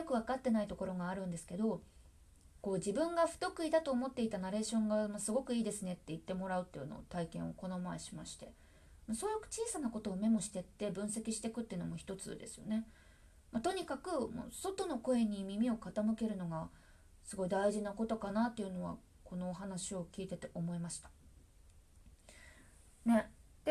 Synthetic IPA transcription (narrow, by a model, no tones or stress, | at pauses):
jo̞kɯ̟β̞akat̪ːe̞nait̪o̞ko̞ɾo̞ɡaːɾɯ̟̃nd̪e̞sɨ̥ke̞d̪o̞ | ko̞ːʑibɯ̟̃ŋɡaɸɯ̟̥t̪o̞kɯ̟id̪at̪o̞ːmo̞t̪ːe̞it̪anaɾe̞ːɕõ̞ŋɡamasɨɡo̞kɯ̟iːd̪e̞sɨne̞t̪ːeit̪ːe̞mo̞ɾaɯ̟t̪ːe̞jɯ̟no̞̰t̪aikẽ̞ɰ̃o̞ko̞no̞maeɕimaɕi̥t̪e̞ | masoːjokɯ̟̥t͡ɕiːsanako̞t̪o̞ːme̞mo̞ɕi̥t̪e̞t̪ːe̞bɯ̟̃ɰ̃se̞kʲiɕi̥t̪e̞kɯ̟t̪ːeiɯ̟no̞̰moçʲi̥t̪o̞t͡sɨ̰d̪e̞̰sɨ̥jo̞̰ne̞ | mat̪o̞ɲ̟ikakɯ̟mo̰so̞t̪o̞no̞ko̞e̞ɲ̟imʲimʲio̞kat̪amɯ̟ke̞ɾɯ̟no̞ɡa | sɨɡo̞id̪aiʑinako̞t̪o̞kanat̪ːe̞jɯ̟no̞βa̰ | ko̞no̞ːɦanaɕio̞kʲiːt̪e̞t̪e̞ʔo̞mo̞emaɕi̥t̪ḁ | ne̞ | d̪̥e